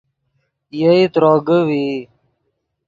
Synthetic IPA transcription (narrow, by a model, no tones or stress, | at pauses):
jəit̪ɾoːɡəwi